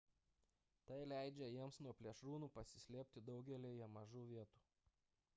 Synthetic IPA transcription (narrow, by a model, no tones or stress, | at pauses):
t̪ɐɪlʲæˑɪd͡ʒʲɛjiɛmsnuɔpʲlʲiɛʃɾuːnuːpɐsʲɪsʲlʲeːpʲt̪ʲɪd̪ɒʊɡʲɛlʲiɛjɛmɐʒuːʋʲiɛt̪u̥ː